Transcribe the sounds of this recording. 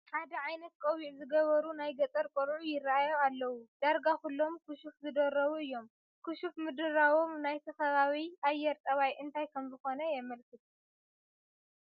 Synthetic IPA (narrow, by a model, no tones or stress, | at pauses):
ħad̪ɐʕajnɐt̪̚kʼowiʕzɨɡɐβɐɾunajɡɐt̪ʼɐɾkʼoɾʕujɪrːaajoalːɐwud̪̥aɾɡakulːo̞mkʰuʃufzɨd̪ɐɾːɐβuɨjːo̞m | kʰɨʃufmɨd̪ɨɾawo̞mnajt̪ʰɐxɐβaβiʔajːɛɾt̪ʼɐβajʔɨnt̪ʰajkʰɐmzɨxo̞nɐjɛmɐlkʰɨt̪ʰu